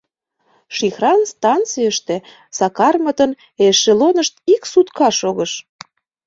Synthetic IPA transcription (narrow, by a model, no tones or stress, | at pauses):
ʃixrɑnst̪ɑnt͡sijəʃt̪e | sɑkɑrmət̪ən | eʃelonəʃt̪iksut̪kɑʃoɣəʃ